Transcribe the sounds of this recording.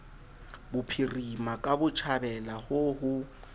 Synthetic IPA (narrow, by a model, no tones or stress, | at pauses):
bʊpʰirimakʼabʊt͡ʃʰabɛlahʊhʊ